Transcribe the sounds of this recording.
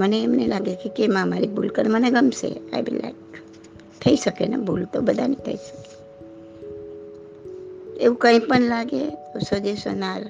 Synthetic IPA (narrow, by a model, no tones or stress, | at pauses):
məneːmnelaɡekekemãmaɾibʱulkəɾeməneɡəmsḛa̰jbḭla̰k | t̪ʰəisəkena̰bʱult̪obəd̪ʱanĩt̪ʰə̰isə̥ke | eũkə̃ĩpəɳlaɡet̪osəd͡ʒesə̰naɾ